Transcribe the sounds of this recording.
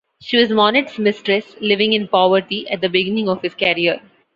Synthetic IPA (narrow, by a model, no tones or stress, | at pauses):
ʃiːʋɔzmɔːnɪʈsmɪsʈɾɛslɪʋɪ̃ŋɪ̃npɔʋəɾʈiʔɛʈ̚d̪əbɪɡɪnɪ̃ŋɔʋhɪzkɛɾiəɾ